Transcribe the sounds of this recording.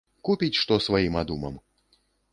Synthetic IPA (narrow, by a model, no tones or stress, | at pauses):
kupʲit͡sʲʂt̪ɔsvajimad̪umɐ̰m